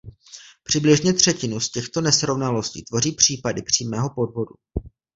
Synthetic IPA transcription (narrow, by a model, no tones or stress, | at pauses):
pr̝̥ɪblɪʒɲɛt̪r̝̥ɛcɪnuscɛxt̪o̞nɛsɾo̞vnalo̞scḭːt̪vo̞riːpr̝̥iːpadɪpr̝̥iːmɛːɦo̞po̞dvo̞du